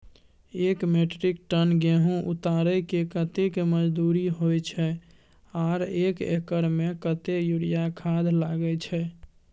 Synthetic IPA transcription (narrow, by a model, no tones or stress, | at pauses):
ekmeʈɾik̚ʈənɡeɦũʔut̪aɾəkekət̪ekeməd͡ʒd̪uɾiɦojt͡ʃʰɛ | aɾekḛkəɾmekət̪ejuɾijakʰad̪ʱlaɡɛt͡ʃʰɛ